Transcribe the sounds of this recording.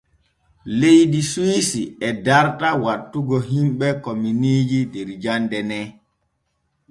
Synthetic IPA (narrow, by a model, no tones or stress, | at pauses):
lejdiswisiɛdaɾtawatːuɡɔɦimɓɛkɔminiːd͡ʒideɾd͡ʒandɛnɛ